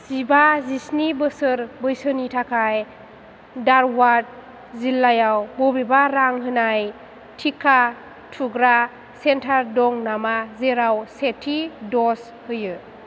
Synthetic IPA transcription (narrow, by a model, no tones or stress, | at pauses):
sibazisnibɯsɯɾbɯjsɯnitʰakʰaj | daɾwaɾd̚ | zilːajawbɔbibaɾaŋɦɯnaj | tʰikʰa | tʰuɡɾa | sentʰaɾdɔŋnamazeɾawsetʰidɔs | hɯjɯ